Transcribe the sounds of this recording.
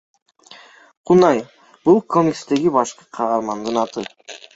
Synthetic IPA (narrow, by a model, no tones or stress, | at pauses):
qʰunɑj | b̥ulˠkʰo̞mʲikst̪e̞ɡibɑʃqɯqʰɑʁɑɾmɑnd̪ɯnɑt̪ɯ